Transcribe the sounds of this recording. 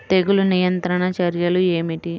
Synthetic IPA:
t̪eɡulunijɐnt̪ɾɐɳɐt͡ʃɐɾjɐlueːmiʈi

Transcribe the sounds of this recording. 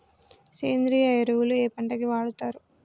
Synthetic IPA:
seːnd̪ɾiːɐjɐɾɐwulueːpɐɳʈɐkiʋaːɽut̪aːɾu

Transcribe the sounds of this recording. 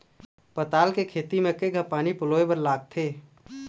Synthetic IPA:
pət̪aːlkekʰeːt̪imẽkeɡʱəpːaːnipʊloːebəɾlaːɡ̚t̪ʰeː

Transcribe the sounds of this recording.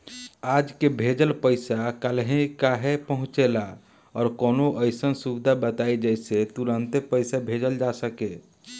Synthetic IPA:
ad͡ʒkebʱed͡ʒəlpəɪsakəlɦẽkaɦepəɦʊ̃t͡ʃela | ɔːɾkoːnoʔəɪsənsubɪd̪ʱabət̪aid͡ʒəɪset̪uɾənt̪epəɪsabʱed͡ʒəld͡ʒasəke

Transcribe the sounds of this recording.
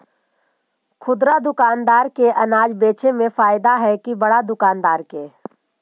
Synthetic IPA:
kʰʊd̪ɾad̪ʊkaːnd̪aːɾkeʔɐnaːd͡ʒbeːt͡ʃʰemẽfaːɪd̪aɦɛkibɐɽad̪ʊkaːnd̪aːɾkeː

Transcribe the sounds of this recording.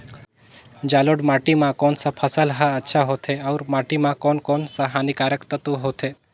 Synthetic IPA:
d͡ʒaloɽmaʈimãkonsapʰəsəlɦaətːʃʰaɦot̪ʰeɐwɾmaʈimãkoːnkoːnsaɦanikaɾəkt̪ət̪uɦot̪ʰe

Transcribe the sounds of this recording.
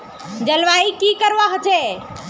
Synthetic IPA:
d͡ʒɐlʋaːikikəɾʋaɦʊt͡ʃeː

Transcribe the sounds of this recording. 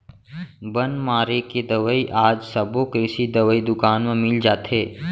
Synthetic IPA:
bɐnmaːɾeked̪ɐʋəiʔaːd͡ʒsɐbokesid̪ɐʋəid̪ʊkaːnmə̃mɪld͡ʒaːt̪ɦeː

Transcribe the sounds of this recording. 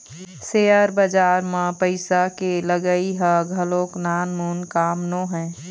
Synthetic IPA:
seːəɾbəd͡ʒaːɾmãpəɪsakeləɡəiɦəɡʱəloːknaːnmuːnkaːmnõɦɛ̃ː

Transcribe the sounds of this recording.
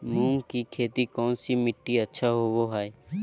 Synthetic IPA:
mũːŋkikʰeːt̪ikɔːnsimɪʈːiətːʃʰaɦoʋoɦaːe

